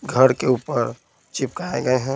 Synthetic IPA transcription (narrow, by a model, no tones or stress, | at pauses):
ɡʱəɾkeupəɾ | t͡ʃip̚kaaeɡəeɦɛ̃